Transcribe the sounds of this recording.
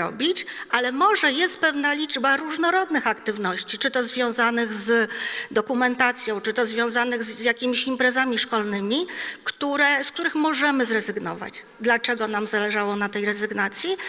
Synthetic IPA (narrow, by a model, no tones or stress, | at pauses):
ɔ̰bʲit͡ɕʔalɛmɔʐɛjɛst̪̚pɛvnalʲid͡ʐbaɾuʐnɔɾɔd̪nɘxakt̪ɘvnɔɕt͡ɕit͡ʂɘt̪ɔzvʲjɔ̃w̃zanɘɣzd̪ɔkumɛnt̪at̪sʲjɔ̃w̃t͡ʂɘt̪ɔzvʲjɔ̃w̃zanɘɣzzjakʲimʲiɕimpɾɛzamʲiʂkɔlnɘmʲikt̪uɾɛsk̚t̪uɾɘxmɔʐɛmɘzɾɛzɘɡnɔ̰va̰d͡ʑ | d̪lat͡ʂɛɡɔnamzalɛʐawɔnat̪ɛjɾɛzɘɡnat̪sʲji